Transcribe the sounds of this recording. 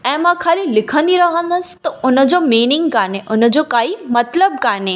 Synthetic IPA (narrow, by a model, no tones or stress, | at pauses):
ɛ̃mãkʰalilɪkʰə̃nd̪iɾəɦə̃nd̪əst̪oʊnəd͡ʒomiːnɪŋɡkaɾneʔʊnəd͡ʒokaimət̪ləb̚kaɾne